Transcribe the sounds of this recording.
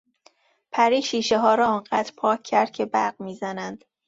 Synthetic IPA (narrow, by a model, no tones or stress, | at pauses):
pʰæɾiːʃiːʃeɦɒːɾɒːɒːŋɢæd̪̥ɾpʰɒːcʰːæɾd̪̥̚cʰe̞bæɾɢmiːzænænd̪̥